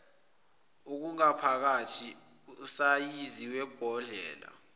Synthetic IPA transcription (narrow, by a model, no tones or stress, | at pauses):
uk̬uŋapʰak̬atʰi | usajiziwɛb̥ʱɔɮɛ̰ːla̰